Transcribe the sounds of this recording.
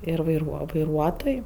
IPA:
ɪr ʋɐɪˈruɔ ʋɐɪˈruɔtoːj

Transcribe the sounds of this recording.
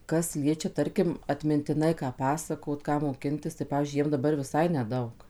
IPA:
ˈkɐs ˈlʲiɛt͡ʃʲɛ ˈtɐrʲkʲɪm ɐtʲmʲɪnʲtʲɪˈnɐɪ ˈkɑː ˈpɑːsɐkoːt ˈkɑː moːˈkʲɪnʲtʲɪs tɐɪ ˈpɑːʋʲiːzʲd͡ʒʲʊɪ ˈjiɛm dɐˈbɐr ʋʲɪˈsɐɪ nʲɛˈdɐʊk

